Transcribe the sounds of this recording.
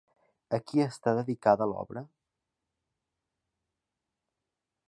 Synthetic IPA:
əkiəst̪aðəðikaðəlɔ̰βɾə

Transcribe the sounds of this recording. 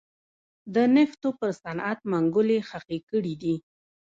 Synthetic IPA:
d̪ənɪft̪opəɾsanʔat̪̚maŋɡʊlexaqekəɽid̪i

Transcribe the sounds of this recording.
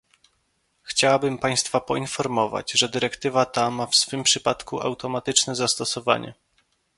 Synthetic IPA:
xt͡ɕawabɘmpaj̃st̪fapɔinfɔɾmɔva̰d͡ʑʐɛd̪ɘɾɛkt̪ɘvat̪amafsfɘmpʂɘpat̪kuʔa̰wt̪ɔmat̪ɘt͡ʂnɛzast̪ɔsɔva̰ɲɛ̰

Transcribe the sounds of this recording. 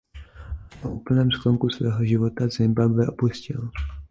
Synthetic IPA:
ʔoʔuːpl̩nɛːmskoŋkusvɛːɦo̞ʒɪvo̞t̪azɛmbabvɛʔo̞puscɪl

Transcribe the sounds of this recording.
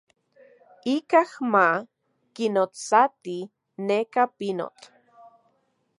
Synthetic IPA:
ikahma | kinot͡sat̪i | nekapino̰t͡ɬ

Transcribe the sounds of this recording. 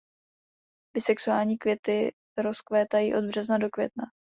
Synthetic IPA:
b̥ɪsɛksuaːlɲiːkvjɛt̪ɪ | ɾo̞skvɛːt̪ajiːʔo̞d̪̚br̝ɛznado̞kvjɛ̰t̪na

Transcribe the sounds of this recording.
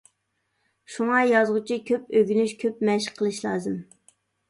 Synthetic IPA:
ʃuŋɑjɑzʁʊt͡ʃʰikʲʰøp̚øɡʲynyʃkʲʰøp̚mɛʃəqʰːəlˠɨʃlˠɑːzɨm

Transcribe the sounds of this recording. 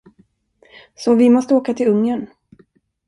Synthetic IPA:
sɔvɪmɔst̪əoːkat̪ʰɪlɵŋːən

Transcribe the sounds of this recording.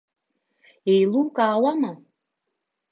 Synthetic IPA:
ejlukaːwama

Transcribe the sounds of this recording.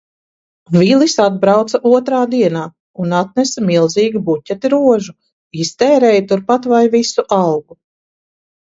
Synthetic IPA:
vilisad̪̚bɾawt̪sɐaʔuɔt̪ɾaːd̪iɛnaː | unat̪̚nɛsamilˠziːɡibucʲːɛt̪iɾuɔʒu | ist̪ɛːɾɛːjt̪uɾpat̪vajvisuʔawɡu

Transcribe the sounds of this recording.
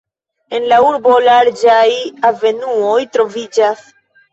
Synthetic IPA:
e̞nlauɾbo̞laɾd͡ʒajave̞nuojtɾo̞vid͡ʒas

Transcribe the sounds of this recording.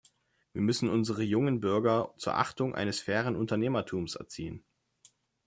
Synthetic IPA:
viːɐmʏsn̩ʊnzəʁ̞əjʊŋənbʏɐɡɐt͡suːɐʔa̰χtʊŋʔa̰ɪnəsfɛːʁ̞ənʊntɐneːmɐtʰuːmsɛ̰ɐt͡sḭːən

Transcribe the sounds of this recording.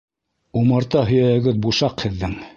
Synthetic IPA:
umɤ̆ɾt̪ɑɦɵ̆jæhɘ̆ɡɘðbuʃɑqhɘ̆ðːɘŋ

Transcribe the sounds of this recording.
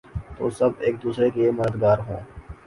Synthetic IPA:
t̪o̰ːsɐbeːk̚d̪uːsɾekeməd̪əd̪ɡaːɾɦõ̰ː

